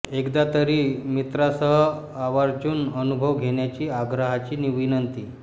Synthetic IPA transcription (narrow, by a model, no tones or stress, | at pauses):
ekd̪at̪əɾiːmit̪ɾasəɦə | aʋaɾd͡ʑuːnənubʱəʋɡʱeɳjat͡ɕiːaɡɾəɦat͡ɕiːniʋinənt̪iː